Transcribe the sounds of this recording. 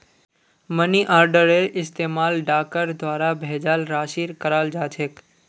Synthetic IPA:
məniʔaːɾɖəɾeɾʔɪst̪eːmaːlɖaːkəɾd̪waːɾabʱeːd͡ʒaːlɾaːʃiːɾkəɾaːld͡ʒaːd͡ʒʰek

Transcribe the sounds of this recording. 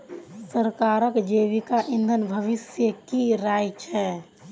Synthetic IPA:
səɾkaːɾəkd͡ʒeːʋikaʔɪ̃nd̪ʱənbʱəʋɪsjəkiɾaːjt͡ʃʰɛː

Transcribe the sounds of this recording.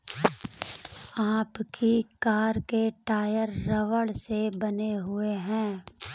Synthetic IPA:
aːpkʰikaːɾkeʈaːjəɾːɐʋəɽsebɐneɦʊeɦɛ̃ː

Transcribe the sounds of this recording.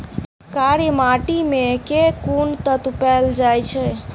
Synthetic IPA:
kaɾjmaʈimekekunt̪ət̪upɛld͡ʒajt͡ʃʰɛ

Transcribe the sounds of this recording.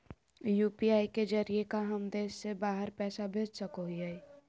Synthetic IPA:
juːpiaːiked͡ʒəɾiekaɦəmd̪eːsːebaːɦəɾpɛːsabʱeːd͡ʒsəkoɦiɦai

